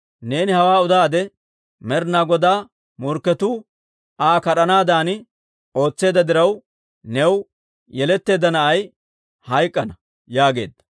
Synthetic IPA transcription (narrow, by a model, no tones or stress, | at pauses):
ne̞ːnɪhɐwaːʊd̪aːd̪ɛ | mɛɾnaːɡɔd̪aː | mɔɾkːɛt̪uː | aːkɐɗɐnaːd̪aːnɪ | o̞ːt͡sːe̞ːd̪ɐd̪ɪɾɐw | nɛw | jɛlɛt̪ːe̞ːd̪ːɐnɐʔɐj | hɐjkʼːɐnɐ | jaːɡe̞̰ːd̪ːɐ̥